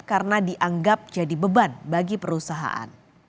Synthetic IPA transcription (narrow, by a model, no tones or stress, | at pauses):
karnadiʔaŋɡap̚d͡ʒadibəbanbaɡipəɾusaɦa̰ʔa̰n